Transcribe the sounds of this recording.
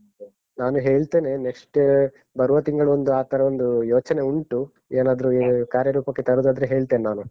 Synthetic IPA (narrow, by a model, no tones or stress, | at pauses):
naːnuɦeːɭt̪e̞ːne̞nekʂʈ | bɐɾuʋɐt̪iŋɡɐɭuond̪uaːt̪ɐɾɐond̪ujoːt͡ʃɐne̞uɳʈu | eːnaːd̪ɐɾukaːɾjɐɾuːpɐkːet̪ɐɾud̪aːd̪ɾeɦe̞ːɭt̪e̞ːnenaːnu